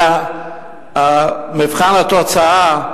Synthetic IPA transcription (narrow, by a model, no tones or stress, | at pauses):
a | amifχanat̪ot͡saa